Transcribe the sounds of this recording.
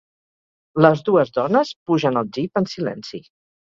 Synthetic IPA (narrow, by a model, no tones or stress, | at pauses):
ləzðuəzðɔnəspuʒənəlˠd͡ʒipənsilɛ̰nsi